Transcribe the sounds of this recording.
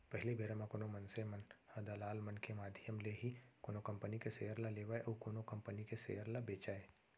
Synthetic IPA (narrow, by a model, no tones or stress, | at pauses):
pəɦɪlibʱeɾamãkoːnomɐnsemɐnhɐd̪alaːlmənkemaːd̪ʱɪjəmleɦikoːnokɐ̃mpənikeseɦəɾlaleːʋaːeʔokoːnokɐ̃mpənikesḛɦəɾlabeːt͡ʃaːe